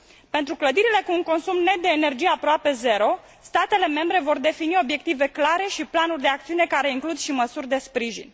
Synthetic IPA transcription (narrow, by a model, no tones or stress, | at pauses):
pe̞nt̪ɾukləd̪iɾile̞kuːŋko̞nsumne̞t̪̚d̪e̞ːne̞rd͡ʒijeapɾoape̞ze̞ɾo̞ | st̪at̪e̞le̞me̞mbɾe̞vo̞rd̪e̞finio̞bje̞k̚t̪ive̞klaɾe̞ʃiplanurʲd̪e̞ak̚t̪siune̞kaɾe̞iŋklud̪ʃiməsurʲd̪e̞spɾiʒḭn